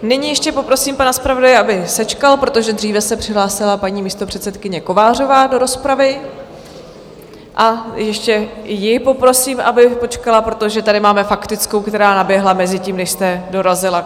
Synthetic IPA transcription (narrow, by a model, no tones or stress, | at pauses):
nɪɲijɛʃcɛpo̞pɾo̞siːmpanaspɾavo̞dajɛʔabɪsɛt͡ʃkalpɾot̪o̞ʒɛd̪riːvɛsɛpr̥ɪɦlaːsɪlapaɲiːmiːst̪o̞pr̥ɛt̪sɛt̪kɪɲɛko̞vaːr̝o̞vaːdo̞ɾo̞spɾavɪ | ʔajɛʃcɛjɪpo̞pɾo̞siːmʔabɪpo̞t͡ʃkalapɾo̞t̪o̞ʒɛt̪adɪmaːmɛfakt̪ɪt͡sko̞wkt̪ɛɾaːnabjɛɦlamɛzɪciːmnɛʃst̪ɛdo̞ɾazɪla